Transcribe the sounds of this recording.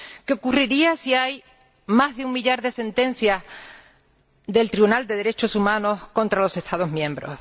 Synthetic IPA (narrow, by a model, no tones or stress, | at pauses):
keo̞kuriɾiasiaj | maɦðeuŋmiʎaɾðe̞se̞nt̪ẽ̞n̟θja | ðe̞lt̪ɾiβunald̪e̞ðe̞ɾe̞t͡ʃo̞sumãno̞hkõ̞nt̪ɾalo̞se̞ht̪að̞o̞ɦmjẽmbɾo̞̰h